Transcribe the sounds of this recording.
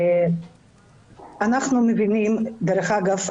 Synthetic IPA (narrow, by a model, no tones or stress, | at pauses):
anaχnumevinimd̪eɾeχaɡaf